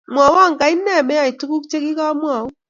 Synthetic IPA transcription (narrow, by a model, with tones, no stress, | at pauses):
mwa˨wa˦˨ŋka˨i˦nːɛ˦˨mɛ˦a˨i˨tu˦ku˦kt͡ʃe˦ki˦ka˦mwɔ˨u˦